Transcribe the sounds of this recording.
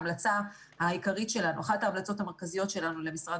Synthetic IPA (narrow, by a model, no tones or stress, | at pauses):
mlat͡sa | haikaʁitʃe̞lanuaχataːmlat͡so̞thame̞ʁkazijo̞tʃe̞lanule̞misʁad